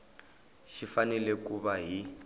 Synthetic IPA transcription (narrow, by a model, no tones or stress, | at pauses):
ʃifanɛlekuβaɦi